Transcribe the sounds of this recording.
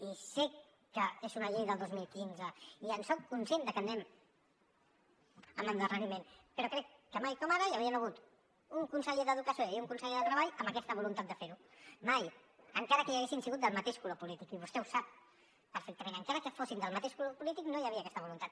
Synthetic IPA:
isek | kːəezunəʎejðəlˠd̪ozmilˠkinzəiənsɔkːunsjend̪əkənːɛm | ə̰mənd̪ərənimenpəɾɔkɾɛkːəmajkɔmaɾəjawiənəɣ̞ut̪ | uŋkunsəʎeðəðukəsioiuŋkunsəʎeðət̪ɾəβaʎəmbəkɛst̪əβulunt̪at̪d̪əfeɾumaj | əŋkaɾəkəjəɣesinsiɣut̪̚d̪əlˠmət̪eʃkulopulit̪ikiβust̪ɛusap̚ː | əɾfek̚t̪əmẽnəŋkaɾəkəfosind̪əlˠmət̪eʃkulopulit̪iknojəβiəːkɛst̪əβ̞ulunt̪at̪

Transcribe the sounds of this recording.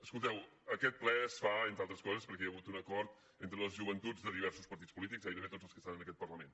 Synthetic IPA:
əskulˠt̪ɛwəkɛt̪̚plɛsfaent̪ɾalˠt̪ɾəskɔzəspəɾkɛəɣut̪unəkɔɾt̪ | ent̪ɾələzʒuβənt̪ud͡zd̪əðiβ̞ɛɾsuspəɾt̪it͡spulit̪ikzaβit̪əmet̪od͡zəlˠskə̥st̪anənəkɛt̪pərləmẽn

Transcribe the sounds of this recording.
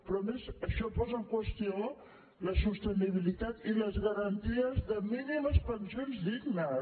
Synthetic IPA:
pɾɔmezəʃɔpɔzəŋkwəst̪io | ləsust̪əniβ̞ilit̪at̪iləzɣəɾənt̪iəzðəminiməspənsionzðiɡnə

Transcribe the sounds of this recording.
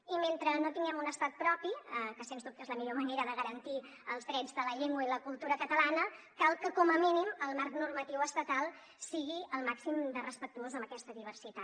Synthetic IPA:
iment̪ɾənot̪iŋɡɛmunəst̪at̪̚pɾɔpiəkəsenzd̪up̚t̪ezləmiʎoməneɾəðəɣəɾənt̪i | əlˠzðɾɛd͡zðələʎeŋɡwuiləkulˠt̪uɾəkət̪əlanə | kalˠkəkɔməminiməlˠmarknurmət̪iwəst̪ət̪alˠ | siɣiəlˠmaksimd̪ərəspək̚t̪uozəmbəkɛst̪əðiβ̞ərsit̪a

